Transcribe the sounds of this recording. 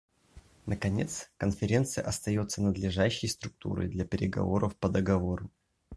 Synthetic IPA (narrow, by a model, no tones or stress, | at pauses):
nəkɐnʲe̞t̪skənfʲɪɾʲe̞nt̪sɨjəʔɐst̪ɐjo̞t̪sːənəd̪lʲɪʐaɕːɪjst̪ɾʊk̚t̪ṵɾə̰jd̪lʲɐpʲɪɾʲɪɡɐ̰vo̞̰ɾəfpəd̪əɡɐvo̞ɾʊ